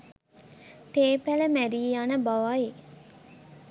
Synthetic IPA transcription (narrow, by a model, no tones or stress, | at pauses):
t̪eːpæləmæɾiːjanəbaʋae